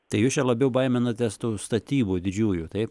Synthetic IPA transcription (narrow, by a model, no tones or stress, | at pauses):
t̪ɐɪjuːst͡ʃʲɛlˠɐbʲɛʊbɐɪmʲɛnɐt̪ʲɛst̪uːst̪ɐt̪ʲiːbuːd̪ʲɪd͡ʒʲuːjuːt̪ɐɪp